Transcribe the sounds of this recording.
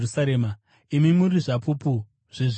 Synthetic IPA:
rusaɾeːma | imimuriʐapʰupu | ʐ̥iʐ

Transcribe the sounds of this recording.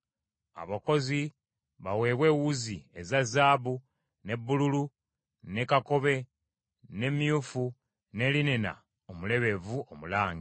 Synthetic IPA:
a̰βako̞zi | βawe̞ːβwe̞ːwuzie̞zazːaːbu | ne̞bːululu | ne̞kako̞βe̞ | ne̞mijufu | ne̞linena̰ | omule̞βe̞vuomulaːŋɡi

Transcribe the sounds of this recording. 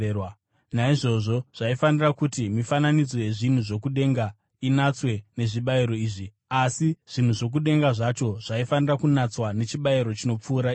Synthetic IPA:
w | naiʐo̞ʐo̞ʐ̥aifanirakutimifananid͡zo̞je̞ʐin̤uʐo̞kuɗe̞ŋɡa | inat͡swe̞ne̞ʐiɓaiɾo̞iːʐi | asiʐ̥in̤uʐo̞k̬uɗe̞ŋɡaʐat͡ʃo̞ʐ̥aifanirakunat͡swane̞t͡ʃiɓaiɾo̞t͡ʃino̞p͡fuːɾa

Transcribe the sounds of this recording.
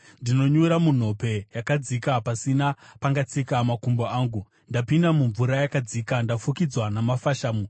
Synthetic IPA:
ndino̞ɲuɾamun̤o̞pe̞jakad͡zikapasinapaŋɡat͡sikamakumboaːŋɡu | ndapindamuɱvuɾajakad͡zikandafukid͡zwanamafaʃaːmu

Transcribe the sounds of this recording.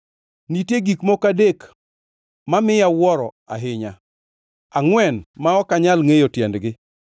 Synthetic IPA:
nitjeɡikmɔkadek | mamɪjawɔɾɔ | a̰ɦɪɲa | aŋwɛnmaɔkaɲalŋejotjɛndɡɪ

